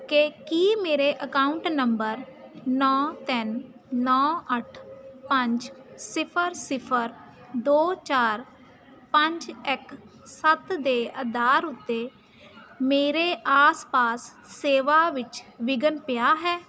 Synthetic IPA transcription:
kekiːmeːɾeːʔəkaːʊɳʈnəmbəɾnɔːt̪ɪnː | ɔːəʈʰpəɲd͡ʒsɪpʰəɾsɪpʰəɾ | d̪oːt͡ʃaːɾ | pəɲd͡ʒɪk | sət̪d̪eːəd̪aːɾʊt̪ːeː | meːɾeːʔaːspaːsː | eːʋaːʋɪt͡ʃʋɪɡənpɪjaːɦɛː

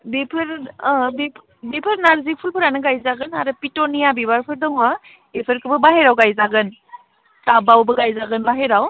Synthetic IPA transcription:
bepʰɯɾbe | bepʰɯɾnaɾzipʰulpʰɯɾanɯɡajzaɡɯnaɾɯpitɔnijabibaɾpʰɯɾdɔŋa | epʰɯɾkʰɯbɯbaɦeɾawɡajzaɡɯn | tabawbɯɡajzaɡɯnbaɦeɾaw

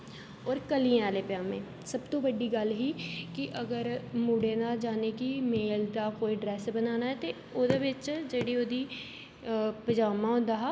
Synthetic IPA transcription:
ɔːɾkəliãaːlepɪjãːmḛ̃ː | səbt̪õːbəɖiːɡəlɦiːkɪʔəɡəɾmuːɽeːnaːd͡ʒaːnekimeːld̪aːkoːiɖɾɛːsbənaːnaːɦɛːt̪e | oːd̪ebɪt͡ʃd͡ʒeɽioːd̪iː | pəd͡ʒaːmãɦõːnd̪aːɦː

